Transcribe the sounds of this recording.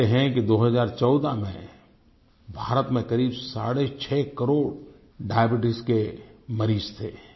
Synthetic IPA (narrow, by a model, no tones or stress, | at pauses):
eɦɛ̃kid̪oːɦəzaːɾt͡ʃɔːd̪amḛ̃ | bʱaːɾət̪mẽkɐɾiːbsa̰ːɽet͡ʃʰɛːkəɾoːɽ | ɖaːjəbɪʈ̬ɪskemɐɾiːd͡ʒt̪ʰeː